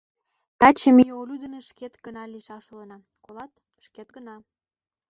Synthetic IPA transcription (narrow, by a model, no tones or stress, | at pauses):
t̪ɑt͡ɕəmijolʲyd̪ə̆neʃket̪ɡənɑliʃɑʃolənɑ | kolɑt̪ | ʃket̪ɡənɑ